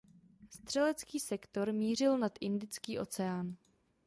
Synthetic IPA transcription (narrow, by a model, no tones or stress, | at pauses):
st̪r̝̥ɛlɛt͡skiːsɛkt̪o̞ɾmiːr̝ɪlnat̪ʔɪndɪt͡skiːʔo̞̰t͡sɛaːn